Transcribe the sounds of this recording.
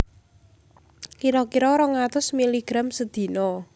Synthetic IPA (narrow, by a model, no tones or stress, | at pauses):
kiɾɔkiɾɔɾɔŋat̪ʊsmiliɡ̥ɾamsəd̪̥i̤nɔ